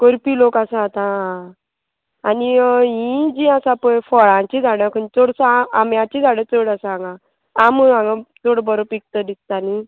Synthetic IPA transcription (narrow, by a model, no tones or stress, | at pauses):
koɾpilokasãat̪ã | aniɦĩd͡ʑĩasapəjfɔɭãt͡ɕid͡zʱaɽkʰənt͡soɽsaːmjãt͡ɕid͡zʱaɽẽt͡soɽasaŋɡa | amuãŋɡat͡soɽbɔɾopik̚t̪əd̪ist̪ani